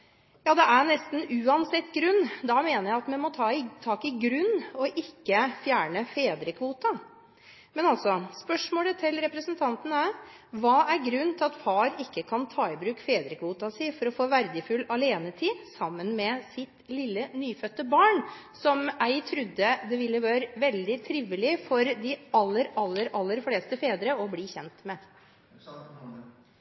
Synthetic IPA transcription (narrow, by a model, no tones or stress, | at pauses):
jɑːd̪ɛʔæɳɛst̪n̩ʉːɑnsɛt̪ːɡɾʉnːd̪ɑmeːnəɾjæɪɑt̪mɛnmɔt̪ʰɑːt̪ʰɑːkɪɡɾʉnːɔʔɪkːəfjæːɳəfeːd̪ɾəkʰʋuːt̪ɑ | mɛnɑlsɔspœʂmoːlət̪ʰɪlɾɛpɾəsənt̪ʰɑnt̪ənəæ | ʋɑːʔæɾɡɾʉnːt̪ʰɪlɑt̪fɑːɾɪkːəkʰɑnt̪ʰɑːɪbɾʉːkfeːd̪ɾəkʰʋuːt̪ɑsɪfɔɾɔfoːʋæɾd̪əfʉlɑleːnət̪ʰiːsɑmːənmɛsɪt̪lɪlːənyːfœt̪ːəbɑːɳ | sɔmæɪt̪ʰɾʉd̪ːəd̪ɛʋɪlːəʋɑːɾəʋɛld̪ɪt̪ʰɾɪʋəlɪfɔɾd̪ɪɑlːəɾɑlːəɾɑlːəɾfleːst̪əfeːd̪ɾəɔbliːçɛnt̪mɛ